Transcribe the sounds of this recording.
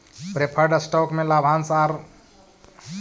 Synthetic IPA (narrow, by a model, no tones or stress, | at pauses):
pɾepʰəɾɖsʈɔkmelabʱansaɾ